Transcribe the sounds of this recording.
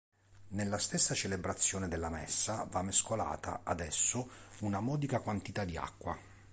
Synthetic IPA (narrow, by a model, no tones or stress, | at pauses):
nelːast̪esːat͡ʃelebɾat̪sːjɔːned̪elːamɛ̰sːavamːeskola̰ːt̪ʰa̰ad̪ɛsːʊunamɔːd̪ikakwant̪it̪ad̪ia̰kːwa